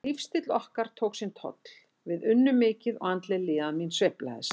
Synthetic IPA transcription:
ifst̪ɪt̪lɔhkaɾ̥t̪ʰoːwksɪnt̪ʰɔ̰t̪l | vɪðʏnːʏmɪːcɪðɔ̰ɣant̪lɛlɪːðaðminsvehpla̰ɪs

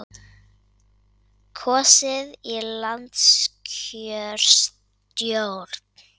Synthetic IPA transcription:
kʰɔːsɪðilant̪skʰœɾ̥s | t̪jowɾt̪n

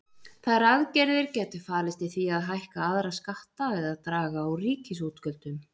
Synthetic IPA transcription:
θaɾaðcɛɾðɪɾcɛːt̪ʏ̥faːlɪst̪ɪθviaðɦajhkaaðɾaskaht̪avɪðaðt̪ɾaːɣaːwriːcɪsut̪kœlt̪ʏn

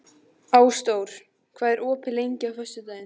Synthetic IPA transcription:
aːwst̪oːwɾ̥ | kʰvaːðɛɾʔɔːpɪlejɲcɪawfœsʏt̪aːjɪn

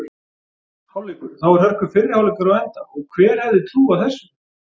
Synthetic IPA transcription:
hawleːkʏɾθawɛɾhœr̥kʏfɪrːɪhawlɪkaɾawɛnt̪aɔɣkʰvɛːɾ̥hɛvðɪt̪ʰɾuːaθɛsːʏ

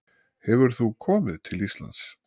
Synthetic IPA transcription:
hɛvʏɾ̥θukʰɔːmɪðt̪ʰɪlist̪la̰nt̪s

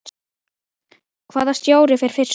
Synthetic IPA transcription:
kʰvaːðast̪joːwɾɪfɪɾ̥fɪɾ̥s

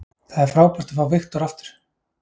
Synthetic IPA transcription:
θaðɛɾ̥fɾaːwpar̥t̪ḁfɾawvɪxt̪ɔɾaft̪ʏ̥ɾ̥

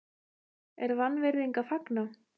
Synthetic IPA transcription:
ɛɾvanːvɛɾðiŋkafakna

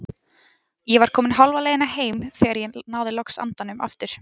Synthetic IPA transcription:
jɛvaɾ̥kʰɔːmɪnɦalvalɛːjðɪnaheːjmθɛːɣaɾjɛnaːwðɪlɔksa̰nt̪anʏma̰ft̪ɪɾ̥

